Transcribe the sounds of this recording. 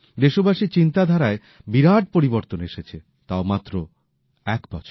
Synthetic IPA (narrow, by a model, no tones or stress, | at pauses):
d̪eʃobaʃit͡ɕint̪ad̪ʱaɾae | biɾaʈ̚poɾiboɾt̪oneʃet͡ɕʰe | t̪aomat̪ːɾo | ɛkbɔt͡ɕʰoɾ